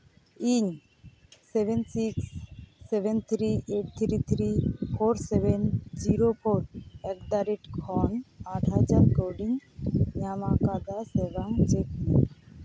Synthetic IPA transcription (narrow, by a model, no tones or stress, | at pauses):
iɲ | sebensiksːebent̪ʰɾiʔeʈ̚t̪ʰɾit̪ʰɾipʰoɾsebend͡ʒiɾopʰoɾɛkd̪aɾiʈkʰɔnaʈʰɦad͡ʒaɾkoɖiŋɲamakad̪asɛbaŋt͡ʃekni